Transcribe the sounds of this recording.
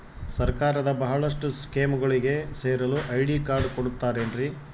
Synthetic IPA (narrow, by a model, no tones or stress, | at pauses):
sɐɾkaːɾɐd̪ɐbɐɦɐɭɐʂʈuskeːmɡɐɭiɡe̞seːɾɐluʔɐjɽiːkaːɾɖkoɽut̪ːaːɾeɳɖɾi